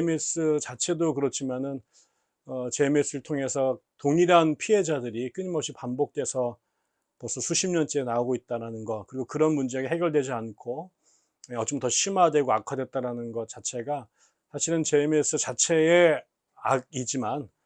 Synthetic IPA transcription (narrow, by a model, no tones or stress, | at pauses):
emes͈ɯt͡ɕat͡ɕʰe̞dokɯɾʌt͡ɕʰimanɯn | ʌt͡ɕe̞me̞s͈ɯɾɭtʰoŋe̞sʰʌtoŋiɾɦanpʰie̞d͡ʑadɯɾik͈ɯɲimʌpɕ͈ipambok̚t͈we̞sʰʌ | pʌs͈ʰʌsʰuɕʰimɲʌnt͡ɕ͈eːnaoɡoit̚t͈aɾanɯnɡʌkɯɾiɡokɯɾʌnmund͡ʑeɡeɦeɡjʌɭdwe̞d͡ʑiankʰo | eʌt͡ɕ͈omtʌɕʰimadwe̞ɡoakʰadwe̞t̚t͈aɾanɯnɡʌt͡ɕat͡ɕʰe̞ɡa | sʰaɕʰiɾɯnt͡ɕe̞me̞s͈ɯt͡ɕat͡ɕʰe̞e | aɡid͡ʑiman